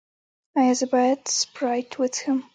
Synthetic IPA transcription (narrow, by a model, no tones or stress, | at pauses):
aɪɨzɨbatspɹaɪtʰwɪð̥hɨ̃m